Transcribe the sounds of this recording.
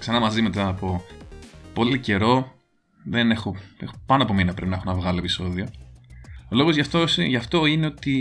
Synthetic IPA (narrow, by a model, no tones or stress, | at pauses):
ksɐnɐmɐzime̞t̪ɐːpo̞ | po̞lice̞ɾo̞ | ðe̞ne̞xo̞exopɐnoɐpo̞minɐpɾepinɐexonɐvɣɐlo̞episo̞ðio̞ | olo̞ɣozʝɐft̪osʝɐft̪o̞ineo̞t̪i